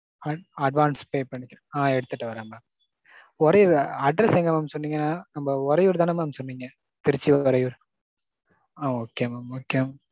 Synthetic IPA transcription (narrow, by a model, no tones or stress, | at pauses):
ɐɐɖʋaːnspeːpɐɳːɪkʲːɾɐ̃aːɛɽɯt̪ːɯʈːɯʋɐɾãːmbaː | ɔɾɐjʊɾɐɖɾɐsɛŋɡɐmaːmsɔnːiːŋɡɐnːaːnɐmbɐɔɾɐjuːɾt̪aːnɐmamsɔnːiːŋɡɐ | t̪ɪɾɯt͡ʃːiɔɾɐjuːɾ | aːoːkːeɐmaːmoːkːeɐma